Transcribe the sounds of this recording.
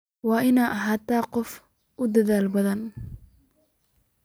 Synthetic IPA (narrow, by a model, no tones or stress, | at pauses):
wɑːʔɪnaːʔɐɦaːt̪aːqɔf | ʔʊd̪ɐðaːlbɐðɐn